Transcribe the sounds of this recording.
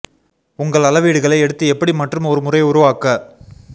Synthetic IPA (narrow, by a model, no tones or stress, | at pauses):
ʊŋɡɐɭɐlɐʋiːɽɯɣɐɭɐɪɛɽɯt̪ːɯɛpːɐɽimɐʈrɯmɔɾɯmʊrɐɪʊɾʊʋaːkɐ